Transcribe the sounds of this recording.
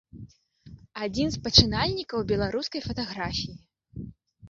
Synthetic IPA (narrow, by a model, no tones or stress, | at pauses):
ad͡zʲinspɐt͡ʂɨnalʲnʲikɐwbʲɛlˠaɾuskɐjfɐt̪aɣɾafʲiji